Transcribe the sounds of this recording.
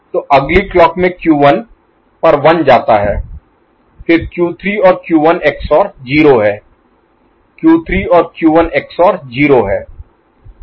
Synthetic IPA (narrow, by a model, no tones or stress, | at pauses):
t̪oːʔɐɡliklɔːkmẽkjuːʋən | pɐɾʋɐnd͡ʒaːt̪aɦɛː | pʰɪɾkjuːt̪ʰɾiɔːɾkjuːʋəneːksɔːɾd͡ʒiːɾoɦɛː | kjuːt̪ʰɾiɔːɾkjuːʋəneːksɔːɾd͡ʒiːɾoɦɛː